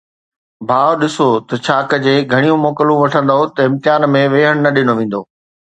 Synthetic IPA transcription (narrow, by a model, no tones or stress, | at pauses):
bʱaːʋɗɪsot̪ɐt͡ɕʰaːkəd͡ʑeːɡʱɐɽ̃ijũmoːkəlũʋɐʈʰə̃nd̪aɦot̪ɐɪ̃mt̪ɪjaːnmẽʋeːɦəɽ̃nɐɗɪnoʋẽːn̆d̪oː